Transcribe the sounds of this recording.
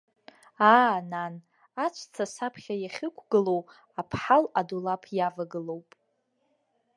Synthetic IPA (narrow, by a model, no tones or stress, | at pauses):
aːnan | at͡ʃʷʰt͡sʰasapʰχʲajaχʲɪkʷʰɡɨlo̞w | apʰħaladulapʰjavaɡɨlowpʼ